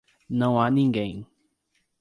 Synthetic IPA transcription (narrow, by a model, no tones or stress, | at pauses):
nɐ̃w̃anĩŋɡẽj̃